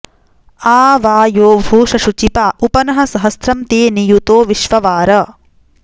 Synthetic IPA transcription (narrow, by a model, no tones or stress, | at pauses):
aːʋaːjoːbʱuːʃɐʃut͡ʃipaːʔupɐnɐɦɐ̆sɐɦɐst̪ɾɐmt̪eːnijut̪oːʋiʃʋɐʋaːɾɐ